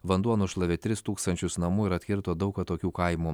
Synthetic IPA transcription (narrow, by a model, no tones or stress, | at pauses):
ʋɐnd̪uɔnʊʃlˠɐʋʲɪt̪ʲɾʲɪst̪uːkst̪ɐnʲt͡ʃʲʊsnɐmuːɪɾɐt̪ʲkʲɪɾt̪oːd̪ɒʊkɐt̪oːkʲuːkɐɪmuː